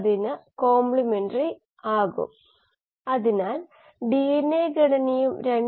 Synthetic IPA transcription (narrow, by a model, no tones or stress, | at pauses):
ðinɨko̞ːmbɭimeɳɖɐri | aːɣṵm | ɐðinaːl | ɖijenːeːɡɐɽɐnɐjumɾeɳ